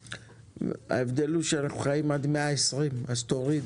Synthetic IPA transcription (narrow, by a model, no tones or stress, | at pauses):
a̰evd̪e̞luʃeanaχuχajimad̪meaesʁimazt̪o̞ʁid̪